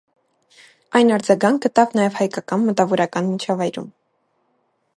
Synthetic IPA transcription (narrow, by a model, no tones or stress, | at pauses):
ɑjnɑɾd͡zɑɡɑŋk̚ɡət̪ɑvnɑjɛvhɑjkɑkɑnmət̪ɑvɔɾɑkɑnmit͡ʃʰɑvɑjɾṵm